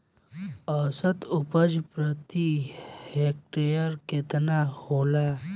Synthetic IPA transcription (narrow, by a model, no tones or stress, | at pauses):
əːsət̪ʊpəd͡ʒpɾət̪ihek̚ʈejəɾket̪nahoːlaː